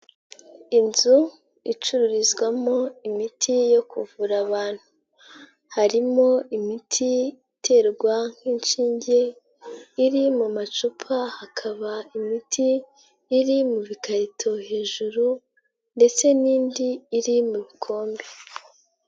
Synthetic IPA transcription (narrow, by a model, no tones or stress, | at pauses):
inzu | it͡ʃuɾuɾizɡwamoimitʰijo̞kʰuvuɾaβaːn̥hu | haɾimo̞imitʰiitʰe̞ːɾɡwaŋ̥hiːnʃiːɲɟe̞ | iɾimumat͡ʃupʰahakʰaβaimitʰiː | ɾimuβikaɾitʰo̞heːʒuɾu | nde̞t͡se̞niːndiːɾimuβikʰo̞ːmbe